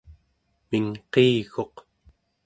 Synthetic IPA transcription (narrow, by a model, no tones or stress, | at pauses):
miŋqeːɣo̞q